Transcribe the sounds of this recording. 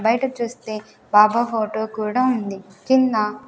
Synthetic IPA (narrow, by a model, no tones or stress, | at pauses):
bɐjʈɐt͡ʃuːst̪e̞ː | baːbafoːʈoːkuːɽaːund̪ikinːɐ